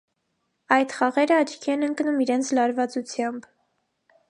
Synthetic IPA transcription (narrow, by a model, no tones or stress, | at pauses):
ɑjt̪χɑʁɛɾəɑt͡ʃʰkʰiɛnəŋknumiɾɛnt͡sʰlɑɾvɑt͡sut͡sʰjɑmb